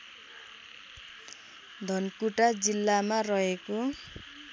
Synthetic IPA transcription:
d̪ʱʌnkuʈad͡zilːamarʌɦeko

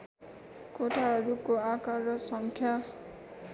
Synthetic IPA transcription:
koʈʰaɦʌɾukoakaɾʌsʌŋkʰja

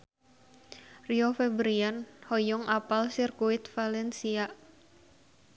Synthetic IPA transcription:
riɔfɛbɾianhojɔŋapalsirkuit̪̚falɛnsiaʔ

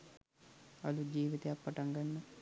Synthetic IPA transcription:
ɐlud͡ʒiːʋit̪eɐpːɐʈɐŋɡɐnːɐ

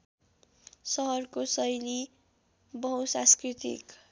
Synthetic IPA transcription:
sʌɦʌrkosʌjli | bʌɦusãskrit̪ḭk

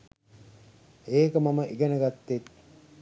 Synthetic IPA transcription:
eːkəmaməʔiɡenəɡat̪ːet̪

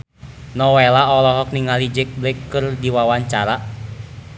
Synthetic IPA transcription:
nɔwɛlaɔlɔɦɔk̚niŋalid͡ʒɪk̚blɛkːɨrdiwawaɲt͡ʃaɾa

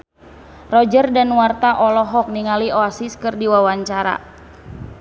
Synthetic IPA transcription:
rɔd͡ʒərdanwart̪aʔɔlɔɦɔk̚niŋaliɔasiskɨrdiwawaɲt͡ʃaɾa̰

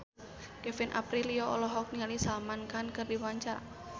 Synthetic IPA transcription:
kɛfɛnʔa̰pɾiliɔɔ̰lɔɦɔk̚nialisalmankankɨrdiwaɲt͡ʃaɾa

